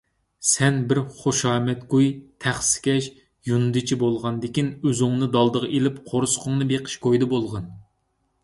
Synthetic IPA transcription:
sɛnbɪɾχoʃɑːmɛt̪ɡujt̪ʰæχsɪ̥kʲʰɛʃ | junɨd̪ɨt͡ʃʰibolˠʁɑnd̪ɪkʲinøzɪŋnɨd̪ɑlˠd̪əʁɑʔelɪpqʰoɾsʊ̥qʰʊŋnɨbeqʰə̥ʃkʰojd̪ɨbolˠʁɑn

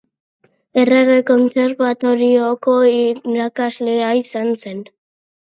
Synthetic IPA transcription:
ereɣeko̞nse̞ɾβat̪o̞ɾioko̞iɾakazleaisanse̞n

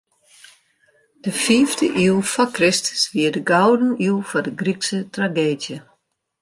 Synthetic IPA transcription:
d̥əfiːvdəʔilˠfɔkrɪstə̥sʋiədəɡawdən̩ilˠfɔdəɡriksətraɡeːdjə

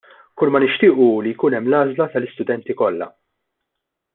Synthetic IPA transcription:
kʊlmɐnɪʃt̪ɪːʔulijkuːnɛmːlɐːzlɐt̪ɐlɪst̪ʊd̪ɛnt̪ikɔlːɐ̰

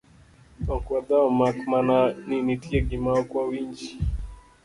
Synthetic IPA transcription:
ɔkwad̪aɔmakmananinitiɛɡimaɔkwawiɲd͡ʒi̥

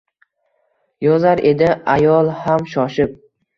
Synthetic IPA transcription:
jɒzaɾʔe̞d̪ɪajɒlˠhamʃɒʃɪp̚

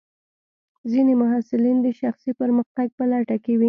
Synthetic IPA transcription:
zinemʊɦasɪlind̪əʃaxsipəɾməxt̪aɡ̚pəlaʈakewi

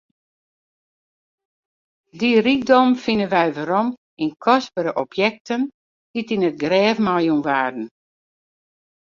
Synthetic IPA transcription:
dirik̚dɔmfinənʋɛjʋəɾɔm | inkʰɔspəɾəʔɔpʰjɛk̚tʰən | d̥itinət̚ɡrɛːfmajunʋaːdn̩

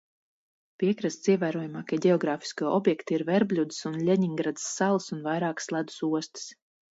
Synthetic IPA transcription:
piɛkɾast̪siɛvæːɾuɔjumaːkiɛɟʲɛɔɡɾaːfi̥skuɔʔɔbjɛkt̪iiɾvɛɾblʲud̪ɨ̥sunlʲɛɲiŋɡɾad̪ɨ̥sːalˠsunvajɾaɑːkslˠad̪u̥suɔst̪i̥s

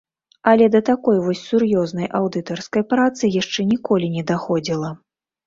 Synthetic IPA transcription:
ɐlʲɛd̪ɐt̪akɔjvɔsʲsurjɔznɐjʔawd̪ɨt̪ɔrskɐjpɾat̪sɨjaʂt͡ʂɛnʲikɔlʲinʲɛd̪axɔd͡zʲilˠɐ

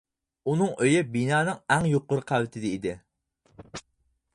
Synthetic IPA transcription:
unɨŋʔøjɪbinɑːnɨŋɛŋjoqːʊɾɨqʰælɪt̪ʰɪd̪ɪid̪ɪ

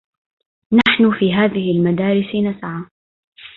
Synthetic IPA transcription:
naħnʊfiːɦaːðɪhɪlmad̪aːɾɪsnasaʕa

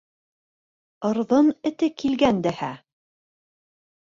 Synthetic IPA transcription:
ɤ̆ɾðɤnɘ̆t̪ɘkilɡænd̪æhæ

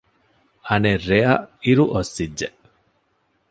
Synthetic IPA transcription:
ɐnerːeɐiɾuʔosːidːeʔ

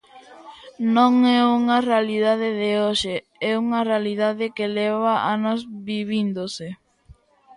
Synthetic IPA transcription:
nõŋɛuŋɐrealiðaðeðeoʃe | ɛuŋɐrealiðaðekelɛβaʔanozβiβind̪ose

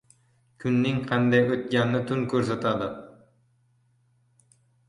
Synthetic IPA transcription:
kʲʰynːɪŋqʰɛnd̪ɛjøt̪̚ɡʲænːɪt̪ʰunkʰʲøɾsɛt̪ʰɑd̪ɨ

